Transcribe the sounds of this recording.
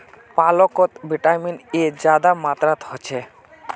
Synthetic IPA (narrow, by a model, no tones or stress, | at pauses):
palokot̪biʈajmined͡ʑad̪amat̪ɾat̪hot͡ɕʰe